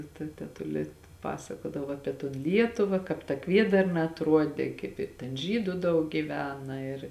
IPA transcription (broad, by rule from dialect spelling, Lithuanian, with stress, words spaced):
tɐ tɐ tʲɛˈtʊlʲeː ˈpɑːsɐkoːdɐʋoː ˈɑːpʲiɛ toːn ˈlʲiɛtʊʋɐ kɑːp tɐ ˈkʋʲiɛdɐrnɐ ɐtˈruɔdʲeː kɐɪp ɪ ˈtʲɛn ˈʒʲiːdʊ ˈdɐʊk ɡʲɪˈʋʲæːnɐ ɪr